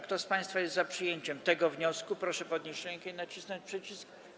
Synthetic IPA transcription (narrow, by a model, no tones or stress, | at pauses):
kt̪ɔspaj̃st̪fajɛst̪zapʂɘjeɲt͡ɕɛmt̪ɛɡɔvɲɔskupɾɔʂɛpɔd̪ɲeɕɾɛŋkɛinat͡ɕisnɔɲt͡ɕpʂɛt͡ɕisk